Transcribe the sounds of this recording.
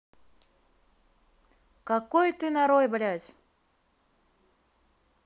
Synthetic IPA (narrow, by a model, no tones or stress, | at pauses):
kɐkojt̪ɨnɐɾojbɐlʲatʲ